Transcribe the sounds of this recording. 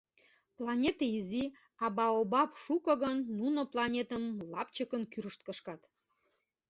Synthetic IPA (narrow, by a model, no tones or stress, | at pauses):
plˠɑnʲet̪eizi | ɑbɑobɑpʃukɤ̆ɣənːunoplˠɑnʲet̪əmlɑpt͡ɕəkənkyɾəʃt̪̚kəʃkɑt̪